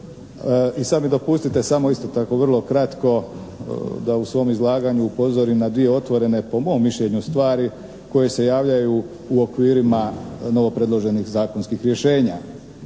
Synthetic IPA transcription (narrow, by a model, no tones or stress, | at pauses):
isad̪mid̪o̞pust̪it̪e̞samo̞ist̪o̞t̪ako̞ʋr̩lˠo̞kɾat̪ko̞ | d̪ausʋo̞ːmizlˠaːɡaɲuːpo̞zoɾimnad̪ʋie̞o̞t̪ʋo̞ɾe̞ne̞po̞mo̞ːmːiʃʎeɲust̪ʋaːɾi | ko̞je̞se̞jaːʋʎaju | uo̞kʋiːɾimano̞ʋo̞pɾe̞d̪lo̞ʒe̞nixzaːkonskixɾje̞ʃe̞ːɲa